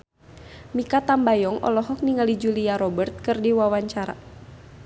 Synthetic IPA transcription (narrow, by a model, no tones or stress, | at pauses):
mikat̪ambajɔŋɔ̰lɔɦɔk̚niŋalid͡ʒuliaɾɔbərt̪̚kɨrdiwawaɲt͡ʃaɾa̰